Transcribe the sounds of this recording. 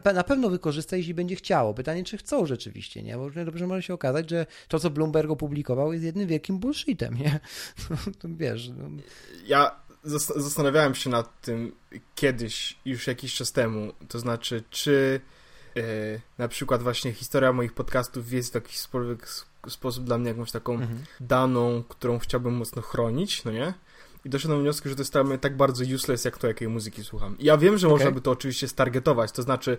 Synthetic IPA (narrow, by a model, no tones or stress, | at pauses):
pnapɛvnɔvɘkɔʐɘst̪ajeɛɕ̬lʲibɛɲd͡ʑɛxt͡ɕawɔpɘt̪aɲɛt͡ʂɘxt̪sɔ̃w̃ʐɛt͡ʂɘvʲḭɕt͡ɕɛ̰ɲʔɛ̰bɔɾuvɲɛd̪ɔbʐɛmɔʐɛɕɛɔkazad͡ʑʐɛ | t̪ɔt̪sɔblumbɛɾkɔpublʲikɔvawjɛst̪jɛd̪nɘmvʲjɛlkʲimbulʂit̪ɛ̰mɲɛnɔnɔvʲjɛʂnɔ̰jazast̪zast̪anavʲjawɛmɕɛnat̪ːɘmkʲjɛd̪ɘɕjuʂjakʲiɕt͡ʂast̪ɛmut̪ɔznat͡ʂɘt͡ʂɘ | napʂɘkwad̪vwaɕɲɛxʲi̥st̪ɔɾʲjamɔjixpɔt̪kast̪ufjɛst̪vʲjakʲi̥ɕspɔlvʲjɛk | spɔsub̚d̪lamɲɛjakɔ̃w̃ɕt̪akɔ̃w̃d̪anɔ̃w̃kt̪uɾɔ̃w̃xt͡ɕawbɘmːɔt̪snɔxɾɔɲit͡ɕnɔɲɛ | id̪ɔʂ̬wɛt̪amvɲɔskʲiʐɛt̪ɔjɛst̪amɛt̪aɡ̚baɾd̪zɔjuslɛjsjakt̪ɔjakɛjmuzɨkʲiswuxamijavʲjɛmʐɛmɔʐnabɘt̪ɔːt͡ʂɨvʲiɕt͡ɕɛst̪aɾɡɛt̪ɔvat͡ɕt̪ɔznat͡ʂɘ